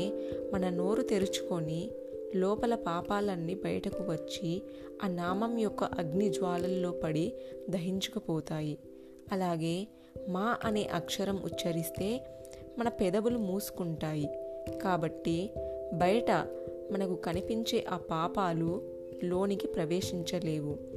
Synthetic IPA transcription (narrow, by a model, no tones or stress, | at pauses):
mɐnɐno̞ːɾut̪eɾut͡ʃu̥koni | lɔːpɐlɐpaːpaːlɐnːibɐjɐʈɐkuʋɐt͡ʃːi | aːnaːmɐmjɔkːɐʔɐɡnid͡ʒʋaːlɐlːo̞ːpɐɽid̪ʱɐɦiɲt͡ʃɐ̥kɐpɔːt̪aːji | ɐlaːɡe̞ː | maːʔɐne̞̰ːʔɐkʂɐɾɐmʔṵt͡ʃːɐɾist̪e̞ː | mɐnɐpɛd̪ɐbulumuːsu̥kuɳʈaːjikaːbɐʈːibɐjɐʈɐ̰ | mɐnɐkukɐnipiɲt͡ʃeːʔaːpaːpaːlu | lo̞ːnikipɾɐʋeːʂiɲt͡ʃɐle̞ːʋu